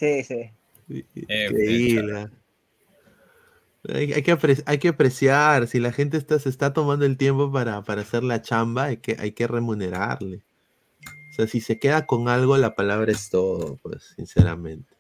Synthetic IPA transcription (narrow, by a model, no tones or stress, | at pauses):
sisi | siŋkɾeiβla | a̰ja̰jkeapɾesajke̞apɾe̞sjaɾsilaxe̞nt̪̬est̪asest̪at̪o̞mãnd̪o̞e̞lt̪je̞mpo̞p̬aɾapaɾaːse̞ɾlat͡ʃambaajkeʔa̰jke̞re̞mũne̞ɾa̰ɾle | oseasise̞ke̞ðako̞ŋalɣo̞lapalaβ̞ɾaest̪o̞ðo̰pwe̞̰sːinseɾa̰mẽ̞nt̪e̥